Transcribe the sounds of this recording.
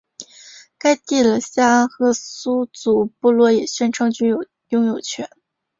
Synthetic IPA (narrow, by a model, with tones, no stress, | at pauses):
ka˥ɪt̪i˥˩lə˨˩ɕja˥xɤ˥˩su˥t͡su˨˩pu˥˧lwɔ˥˩jɛ˨˩ɕɥɛ˥˩nʈ͡ʂʰɤ˥ŋt͡ɕy˥˨ | jʊ˥˧ŋjo˨˩ʊt͡ɕʰɥɛ˧˥˦n